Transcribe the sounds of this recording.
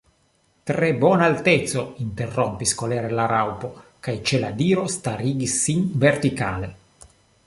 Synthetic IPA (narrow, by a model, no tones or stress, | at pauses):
t̪ɾebɔnalt̪ɛt̪sːoint̪erːɔmpiskolɛːɾelaɾawpokajt͡ʃelad̪iːɾost̪aɾiːɡisinvert̪ikaːle